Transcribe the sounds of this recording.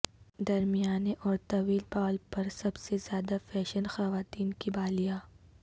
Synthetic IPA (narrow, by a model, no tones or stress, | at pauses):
d̪ɐɾmijaːneʔɔːɾt̪ɐʋiːlpaːlpɐɾsɐbsezjaːd̪afɛːʃənxɐʋaːt̪iːnkibaːlijaː